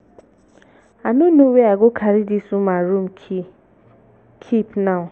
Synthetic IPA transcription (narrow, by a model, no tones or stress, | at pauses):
anũnũweaɡokʰaɾidisũmãɾum̩ | kʰipnã